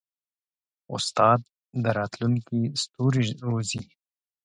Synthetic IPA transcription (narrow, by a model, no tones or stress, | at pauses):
ʊ̰st̪ɑːd̪̚ː | əɾɑːt̪luŋkist̪uːɾiɾuzi